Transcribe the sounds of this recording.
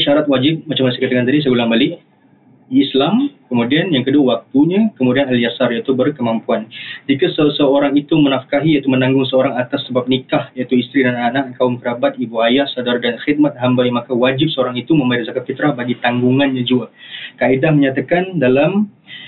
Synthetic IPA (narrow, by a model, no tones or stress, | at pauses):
ʃaɾat̪̚wad͡ʒɪp̚mat͡ʃamanasakat̪akant̪adis̬əɡulaŋbalɪʔː | slamkəmudianjaŋkəduawak̚t̪uɲakəmudianaljasarjait̪ubərkəmampuand͡ʒikasəsəoɾaŋit̪umənafkaɦijait̪umənãŋɡʊŋsəoɾaŋat̪asːəbap̚nikahjait̪uist̪ɾidananaʔkaʊmkəɾabat̪̚ibuajahsadaɾadanxit̪̚mat̪̚ɦambaimakawad͡ʒɪp̚səoɾaŋit̪umə̃maɪrzakat̪̚fit̪ɾahbaɡit̪aŋɡuŋanɲad͡ʒuakaidahməɲat̪akandalam